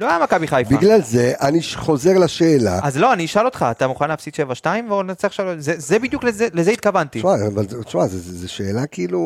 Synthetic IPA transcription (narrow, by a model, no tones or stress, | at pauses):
loajamakabiχajfbiaɡlalzeʔaniʃχo̞ze̞ʁlaʃeːla̰azlo̞aniʃalo̞t̪χaːt̪amuχanleːfsit̪ʃevaʃtaimvonat͡sɛaχʃalotzezebid̪juklezelezeit̪̚kavant̪imaavalʃmazezeʃeːlakiːlu